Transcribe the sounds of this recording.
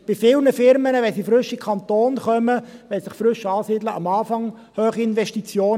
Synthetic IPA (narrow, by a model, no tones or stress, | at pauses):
b̥ɪfɪːlnəfɪɾmənəʋɛnsifɾʏʃikʰɑnt̪oːnχœməʋɛlsɪχfɾʏʃɑːsiːd̪ləʔɑmɑːfɑŋ | høːχiɪnʋɛʃtit͡sjoːn